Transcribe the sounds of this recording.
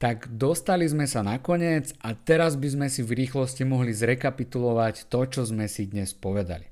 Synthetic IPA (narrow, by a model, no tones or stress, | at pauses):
t̪aɡd̪ɔst̪alizmɛsanakɔɲɪɛd͡zat̪ɛɾazbizmɛsivɾiːxlɔscimɔɦlizɾɛkapit̪ulɔʋact̪ɔt͡ʃɔzmɛsid̪ɲɛspɔʋɛd̪a̰li